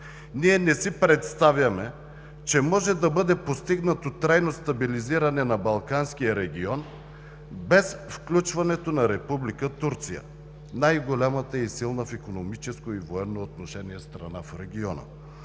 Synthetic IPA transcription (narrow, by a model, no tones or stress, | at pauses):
niɛnɛsipɾɛt̪st̪avʲjɐmɛ | t͡ʃɛmɔʒɛd̪ɐbɤd̪ɛpost̪iɡnət̪ot̪ɾajnost̪ɐbiliziɾɐnɛnɐbɐlˠkanskijəɾɛɡʲiɔn | bɛsfklʲut͡ʃvɐnɛt̪onɐɾɛpublikət̪uɾt̪sijə̰ | najɡolʲamət̪əisilˠnəfikonomit͡ʃɛskoivoɛnːoːt̪noʃɛniɛst̪ɾɐnafɾɛɡʲiɔnə̰